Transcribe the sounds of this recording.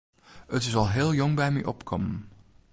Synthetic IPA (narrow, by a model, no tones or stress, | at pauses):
ətɪsɑlˠɦɪːlˠjɔŋbɛjmɛ̰ʔɔ̰pkʰɔmən